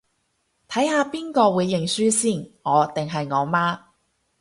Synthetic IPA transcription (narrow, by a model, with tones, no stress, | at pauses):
t̪ʰɐ˨˥jhaː˧piː˥nkɔː˧wuː˨˧jːɪ˨˩ŋsyː˥siː˥˩nŋɔː˨˧t̪ɪ˨ŋɦɐ˨jŋɔː˨˧maː˥